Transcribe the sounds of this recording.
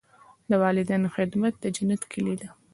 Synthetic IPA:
d̪əwɑlɪd̪anxɪd̪mat̪̚d̪əd͡ʒanat̪kʰilid̪a

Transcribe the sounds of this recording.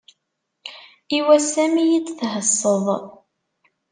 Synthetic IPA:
iwæsæmijit͡sθɦəsˤːəðˤ

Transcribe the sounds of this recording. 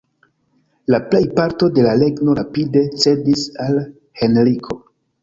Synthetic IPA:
laple̞jpaɾto̞de̞lale̞ɡno̞apide̞t͡se̞disal | he̞nɾikʰo̞

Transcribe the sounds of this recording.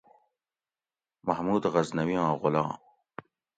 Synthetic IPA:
mahmuːd̪ɣɐznɐwiɑ̃ːʁʊlɑ̰̃ː

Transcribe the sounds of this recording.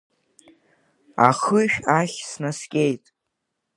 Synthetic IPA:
a̰χɨʃᶣaχʲsnaskʲʼejtʼ

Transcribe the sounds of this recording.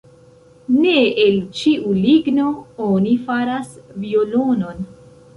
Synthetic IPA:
neelt͡ʃiʔuliɡno̞onifaɾasvio̞lono̞n

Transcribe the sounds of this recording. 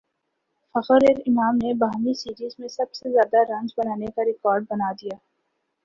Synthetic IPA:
fɐqəɾeɾɪmaːmnebaːɦmisiːɾiːzmẽsɐbsezjaːd̪aɾɐ̃nd͡ʒbɐnaːnekaɾɪkɔːɾɖ̚bɐnaːd̪ijaː

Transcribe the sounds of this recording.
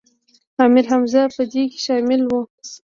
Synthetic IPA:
ɑmɪlɦamzɑpəd̪ike̥ʃɑmɪlwu

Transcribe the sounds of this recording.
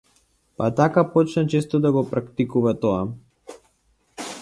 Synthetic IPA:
pat̪akapɔt͡ʃnat͡ʃɛst̪ɔd̪aɡɔpɾakt̪ikuvat̪ɔa

